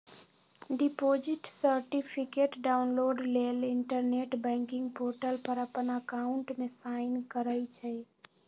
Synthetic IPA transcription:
ɖipod͡ʒiʈsəɾʈipʰikeʈɖaʊnloɖleliɳʈəɾneʈbɛ̃ŋkiŋɡpoɾʈəlpəɾəpənəkaʊɳʈmesaɪnkəɾəjt͡ʃʰɛ

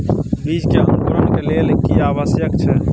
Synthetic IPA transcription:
bid͡ʒkeənk̪uɾənkelelkiaːʋəsjəkt͡ʃʰɛ

